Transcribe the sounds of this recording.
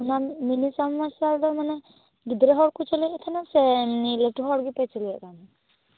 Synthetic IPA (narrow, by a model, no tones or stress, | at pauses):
ɦunaminisɔmːasiald̪ɔɾmanɛ | ɡid̪ɾeɦɔɽkut͡ʃɔliɛt̪ʰanasɛmnileʈuɦɔɽɡipajt͡ʃʰɔliɛ̰k̪ani